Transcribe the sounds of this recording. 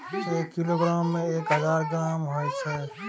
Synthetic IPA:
t͡ʃeːkːiloːɡɾaːmːẽeːkɦəzaːɾɡɾaːmɦojt͡ʃʰɛ

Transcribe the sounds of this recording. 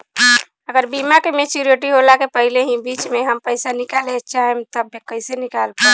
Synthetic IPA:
əɡəɾbimakemet͡ʃuɾioʈiɦolakepəɦileɦĩbit͡ʃmeɦəmpəjsanikalɛt͡ʃʰaɦɛmt̪əbekəɦɪsenikalpəɾ

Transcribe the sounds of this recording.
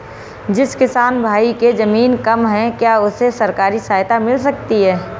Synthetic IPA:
d͡ʒɪskɪsaːnbʱaːiked͡ʒɐmiːnkɐmɦɛ̃kjaʊsesɐɾkaːɾisaːjt̪amɪls̬ɐkt̪iɦɛː

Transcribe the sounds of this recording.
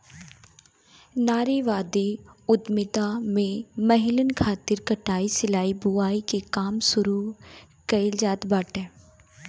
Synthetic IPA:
naːɾiʋaːd̪iʊd̪mɪt̪amẽmɐɦɪlənkʰaːt̪ɪɾkɐʈaːisɪlaːibʊaːikekaːmsʊɾu | kɐɪld͡ʒaːd̪baːʈɛː

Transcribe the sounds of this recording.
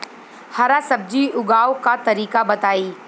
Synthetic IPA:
hɐɾasɐb̚d͡ʒiʊɡaːokat̪ɐɾiːkabɐt̪aːiː

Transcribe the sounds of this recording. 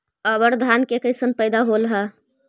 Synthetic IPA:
əbəɾd̪ʱankekəɪsənpəɪd̪aɦolɦə

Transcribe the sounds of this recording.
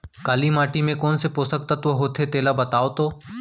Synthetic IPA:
kaːlimaːʈimẽkoːnsepoːsək̚t̪at̪oɦoːt̪ʰet̪eːlabɐt̪aːot̪oː

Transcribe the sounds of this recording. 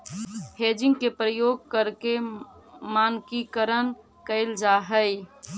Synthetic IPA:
heːd͡ʒɪ̃ŋɡ̚kepɾəjoːɡ̚kəɾke | maːnkikəɾən | kəɪld͡ʒaɦəɪ

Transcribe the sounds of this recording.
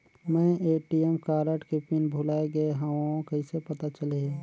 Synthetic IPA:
mɛ̃eʈiemkaːɾəʈkepinbʱulaːeɡəeɦãõkəɪ̃sepət̪at͡ʃəle

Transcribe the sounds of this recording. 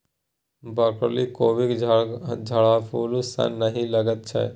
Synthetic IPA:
bəkɾlikoːʋik | d͡ʒʱəɭapʰuːlusa̰nːəɦĩləɡət̪̚t͡ʃʰɛ̰

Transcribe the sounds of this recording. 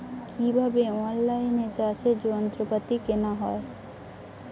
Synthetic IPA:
kʰibʱabeɔnlajnet͡ɕat͡ɕʰed͡ʑoant̪ɾopat̪ikenaɦɔe

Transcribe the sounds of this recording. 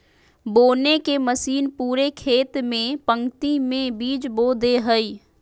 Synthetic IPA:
boːnekeməsiːnpuːɾekʰeːt̪mẽpə̃ŋt̪imẽbiːd͡ʒboːd̪eɦəi

